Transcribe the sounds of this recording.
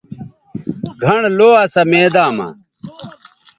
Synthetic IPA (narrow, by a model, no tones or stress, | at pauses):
ɡʱɐɳloːɐsɐmeːd̪aːmɐ̰